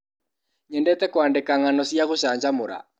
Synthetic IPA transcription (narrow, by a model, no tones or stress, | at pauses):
ɲɛndɛt̪ɛkwandekaŋanɔsiaɣoʃaɲd͡ʒamoɾa̰